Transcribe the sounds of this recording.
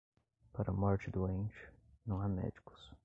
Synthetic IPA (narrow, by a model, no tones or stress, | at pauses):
paɾɐmɔɾt͡ʃɪd̪ʊẽnt͡ʃɪ̥nɐ̃w̃amɛ̰d͡ʒikʊ̥s